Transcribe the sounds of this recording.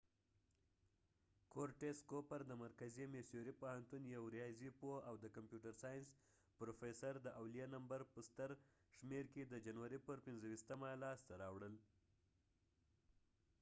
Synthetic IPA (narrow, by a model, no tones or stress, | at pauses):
koɾʈeskopaɾd̪əmaɾkazimesjoɾipohant̪unjawɾijɑzipoawd̪əkampjuʈaɾsɑjns | pɾofesaɾd̪əʔawlijɑnambaɾpəst̪əɾ | ʃmeɾked̪əd͡ʒanwaɾipəɾpɪnzəwist̪amalɑst̪aɾɑwɽəl